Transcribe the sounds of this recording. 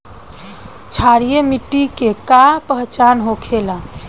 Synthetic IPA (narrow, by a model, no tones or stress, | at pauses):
t͡ʃʰaɽijemiʈːikekapəɦt͡ʃanɦokʰelã